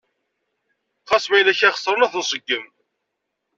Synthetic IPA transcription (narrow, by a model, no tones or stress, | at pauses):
χɑsˤmæjlæçæχə̥sˤːɾˤənæθənsˤəɡːəm